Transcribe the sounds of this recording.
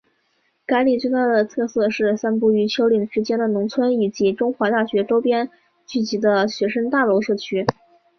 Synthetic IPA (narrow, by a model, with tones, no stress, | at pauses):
ka˧˥ɪli˨˩t͡swe˥˧t̪a˥˩d̪ə˩t͡s̪ʰɤ˥˧sɤ˥˧ʂɻ̩˥˩sa˥npu˥˩y˧˥t͡ɕʰjo˥ʊli˨˩ŋʂɻ̩˧˥t͡ɕjɛ˥nd̪ə˨nʊ˧˥ŋt͡sʰwə˥ni˨˩t͡ɕi˧˥ʈ͡ʂʊ˥ŋxwa˧˥t̪a˥˩ɕɥɛ˧˥ʈ͡ʂo˥ʊpjɛ˥n | t͡ɕy˥˩t͡ɕi˧˥d̪ə˧ɕɥɛ˧˥ʂə˥ŋt̪a˥˩lo˧˥ʊʂɤ˥˩t͡ɕʰy˥